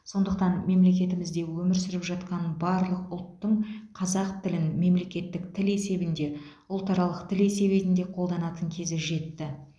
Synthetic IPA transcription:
so̞nd̪əqt̪ɑnme̞mle̞kʲe̞t̪ɪmɪzd̪e̞wɵmɪɾsɪɾɪpʒɑt̪qɑnbɑɾlˠəqʊlˠt̪ːəɴqʰɑzɑqt̪ɪlɪnme̞mle̞kʲe̞t̪ːɪkt̪ʰɪle̞se̞bɪnd̪e̞ | ʊlˠt̪ɑɾɑlˠəqt̪ʰɪle̞se̞βe̞t̪ɪnd̪e̞qʰo̞lˠd̪ɑnɑt̪əŋkʲʰe̞zɪʒe̞t̪ːɪ

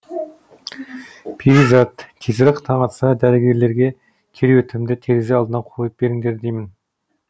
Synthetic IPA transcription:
pʰiɾizɑt̪kʲʰːezɪɾɪqt̪ʰɑɴɑt̪sɑd̪æɾeɡʲe̞ɾle̞ɾɡʲe̞ | kʲʰeɾewɵt̪ɪmd̪ɪt̪ʰeɾezeɑlˠd̪ənɑqʰoəp̚be̞ɾɪŋd̪e̞ɾd̪ejmɪn

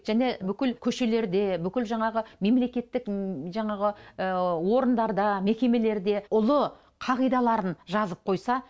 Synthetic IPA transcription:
ʒ̥æne̞bʏkʲɪlkʲʰɵʃe̞le̞ɾd̪e̞bʏkʲɪlʒɑɴɑʁəme̞mle̞kʲe̞t̪ːɪkʒɑɴɑʁə | wo̞ɾənd̪ɑɾd̪ɑme̞kʲe̞me̞le̞ɾd̪e̞ʊlˠə | qʰɑʁijd̪ɑlˠɑɾənʒɑzəp̚qʰo̞jsɑ

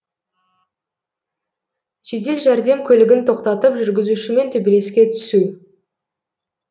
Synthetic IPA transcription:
ʒ̥e̞t̪e̞lʒæɾd̪e̞mkʲʰɵlɪɡʲɪnt̪ʰo̞qt̪ɑt̪əpʒʏɾɡʲɪzuʃɪme̞nt̪ʰɵbele̞skʲe̞t̪ʰʏ̥su

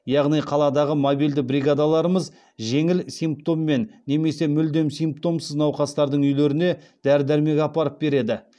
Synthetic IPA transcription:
jɑʁnijqʰɑlˠɑd̪ɑʁəmobijld̪ɪbɾiɡad̪ɑlˠɑɾəməz | ʒe̞ŋɪlsijmp̚t̪o̞mːe̞nːe̞me̞se̞mʏld̪e̞msimp̚t̪o̞msəznɑwqɑst̪ɑɾd̪əɴʏjleɾɪne̞ | d̪̥æɾd̪æɾme̞ɡʲɑpɑɾəp̚be̞ɾe̞d̪ɪ

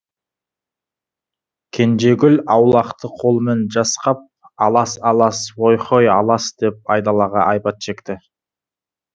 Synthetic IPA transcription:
kʲʰe̞nʒe̞ɡʲʏlɑwlˠɑqt̪əqʰo̞lˠme̞nʒɑsqɑp̚ | ɑlˠɑsɑlˠɑswojqʰo̞jɑlˠɑsd̪̥e̞p̚ɑjd̪ɑlˠɑʁɑʔɑjpɑt̪ʃe̞kt̪ɪ

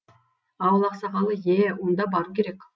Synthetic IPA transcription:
ɑwəlˠɑqsɑʁɑlˠəjewo̞nd̪ɑbɑɾukʲʰe̞ɾek

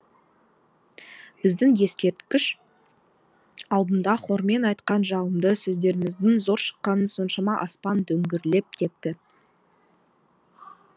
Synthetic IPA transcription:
b̥ɪzd̪ɪŋje̞skʲe̞ɾt̪kʲɪʃ | ɑlˠd̪ənd̪ɑχo̞ɾme̞nɑjt̪qɑnʒɑlˠəmd̪əsɵzd̪e̞ɾɪmɪzd̪ɪŋzo̞ɾʃə̥qːɑnənso̞nʃɑmɑʔɑspɑnd̪ɵŋɡʲɪɾle̞p̚kʲʰe̞t̪ːɪ

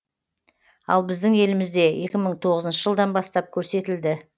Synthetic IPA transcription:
ɑ̰lˠbɪzd̪ɪŋe̞lɪmɪzd̪e̞je̞kʲɪməɴt̪ʰo̞ʁəzənʃəʒəlˠd̪ɑnbɑst̪ɑp̚kʲʰɵɾse̞t̪ɪld̪ɪ

